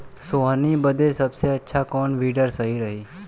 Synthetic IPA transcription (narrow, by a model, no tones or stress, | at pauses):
soːɦənibəd̪ʱesɐbseɐtːʃʰakɔːnʋiːɖəɾsəɦiɾɐɦiː